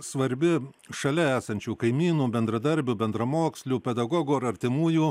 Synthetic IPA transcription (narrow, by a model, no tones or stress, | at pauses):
sʋɐɾʲbʲɪ | ʃɐlʲɛæːsɐnʲt͡ʃʲuːkɐɪmʲiːnuːbʲɛnd̪ɾɐd̪ɐɾʲbʲʊːbʲɛnd̪ɾɐmoːksʲlʲuːpʲɛd̪ɐɡɔɡuːɐɾɐɾʲt̪ʲɪmuːjuː